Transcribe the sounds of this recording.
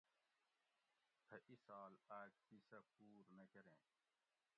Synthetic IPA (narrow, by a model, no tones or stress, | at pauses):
p̪ʰɐʔisaːlaːk̚t̪isɐpuːɾnɐkɐɾḛ̃ː